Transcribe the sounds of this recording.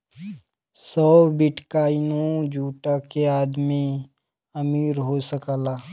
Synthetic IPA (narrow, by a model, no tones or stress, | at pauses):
sɔːbɪʈkaːinõd͡ʒuːʈakeaːd̪mi | əmiːɾɦosəkaːlaː